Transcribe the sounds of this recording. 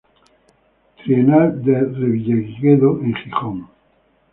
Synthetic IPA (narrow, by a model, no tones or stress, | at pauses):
t̪ɾienald̪ereβiʎaɣiɣeðoeŋχixoŋ